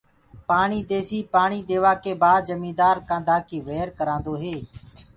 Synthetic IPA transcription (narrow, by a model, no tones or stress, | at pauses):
paːɳiːd̪eːsiːpaːɳiːd̪eːʋaːkeːbaːd͡ʒəmĩːd̪aːɾkãːd̪aːkiːʋeːɾkəɾãːnd̪oːɦeː